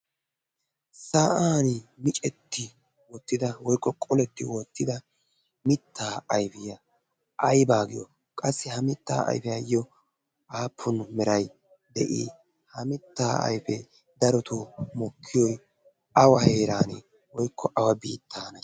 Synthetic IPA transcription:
saːʔaːnɪmɪt͡ʃʼɛt̪ʰːɪ | wɔt̪ːɪd̪ɐwɔjkːɔkʼɔlɛt̪ːɪwɔt̪ːɪd̪ɐ | mɪt̪ːaːjfɪjɐ | ʔɐjbaːɡɪjɔ̰ | kʼɐsːɛhɐmɪt̪ːa̰ːɐ̰jfɪjaːjːɔ | ʔaːpʰːʊnmɛɾɐj | d̪ɛʔḭː | hɐmɪt̪ːaːɐ̰jfɛ | d̪ɐɾɔt̪ʰomɔkʰːɪjɔj | ɐwɐheːɾaːne | wɔjkʰːɔʔɐwɐbiːt̪ːaːnɐ

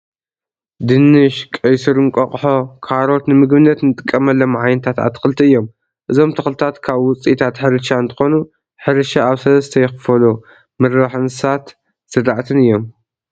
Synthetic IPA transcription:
d̪ɨnːɨʃkʼɐjsɨɾɨŋkʼɐχʼħo̞kʰaɾo̞t̪nɨmɨɡβɨnːɐt̪nɨt̪ʼɨkʼːɐmɐlːɐmʕajnt̪ʰat̪ʕa̰t̪ʰɨ̥xɨlt̪ʰiɨjːo̞m | ʔɨzo̞mt̪ʰɐxlt̪ʰat̪kʰaβwʊt͡sʼit̪ʰat̪ħɨɾɨʃaɨnt̪ʰɨ̥xo̞nu | ħɨɾɨʃaaβsɐlɐst̪ʰɐjɛxɨfɐlo | mɨɾβaħɨnsat̪ | sɨɾaʕt̪ʰɨnɨjːo̞m

